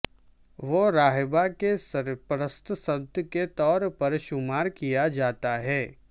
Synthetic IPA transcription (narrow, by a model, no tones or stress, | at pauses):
ʋoɾaːɦbakesɐɾpɾəst̪sət̪ket̪ɔːɾpɐɾʃʊmaːɾkijad͡ʒaːt̪aɦɛː